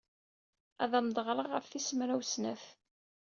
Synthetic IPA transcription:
æ̰ðæmd̪ˤəʁɾˤəʁːəfθisəmɾæwsnæθ

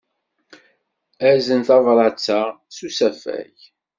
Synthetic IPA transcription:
æzənθɑvɾˤɑt͡sːaʁ | susæfæ̰ʝ

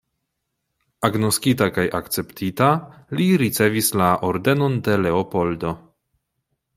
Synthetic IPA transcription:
aɡno̞skitakajʔa̰kt͡se̞ptʰitaliɾit͡se̞vislaʔo̞ɾde̞no̞nde̞le̞opo̞ldo̞

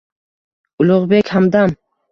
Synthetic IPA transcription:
ʊlˠʊʁbekʲhamd̪am

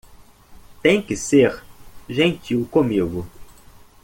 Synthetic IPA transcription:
t̪ẽj̃kɪseɾʒẽnt͡ʃiwkõmiɡʊ

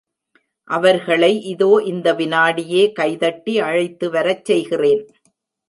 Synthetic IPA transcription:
ʔɐʋɐɾɣɐɭɐɪʔɪðoːʔɪnd̪ɐʋɪnaːɽɪjeːkɐɪðɐʈːiɐɻɐɪt̪ːɯʋɐɾɐt͡ʃsɛjɣɪreːn

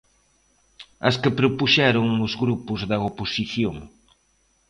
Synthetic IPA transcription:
ɐskɪpɾopuʃɛɾʊŋʊzɣɾupʊzðɐoposiθjoŋ

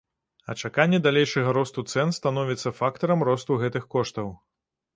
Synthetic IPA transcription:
ɐ̰t͡ʂakanʲːɛd̪alʲejʂɐɣɐɾɔst̪ut̪sɛnst̪an̪ɔvʲit̪sːɐfakt̪ɐɾɐmrɔst̪uɣɛt̪ɨxkɔʂt̪ɐw

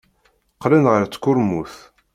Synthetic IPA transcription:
qlænʁəɾt͡sːkːʊɾmuθ

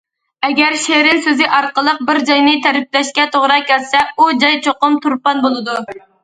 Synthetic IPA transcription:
ɛɡʲɛɾʃeɾɪnsøzɪʔɑɾqəlˠəq̚bɪɾd͡ʒɑjnɨt̪ʰæɾɪp̚lɛʃkʲɛt̪ʰoʁɾɑkʲʰɛlsɛud͡ʒɑjt͡ʃʰoqʊmt̪ʰuɾpɑnbolˠɨd̪u

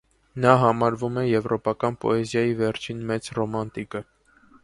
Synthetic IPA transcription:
nɑɦɑmɑɾvumɛjɛvɾʔɔpɑkɑnpɔ̰ɛzjɑjivɛɾt͡ʃʰinmɛt͡srɔmɑnt̪ikə

